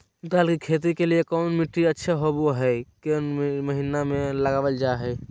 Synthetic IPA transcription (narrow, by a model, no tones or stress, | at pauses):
d̪aːlkikʰeːt̪̬ikeliekɔːnmiʈɾiətːʃʰaɦoboɦɛkenməɦinamẽləɡaːʋəld͡ʒaɦɛ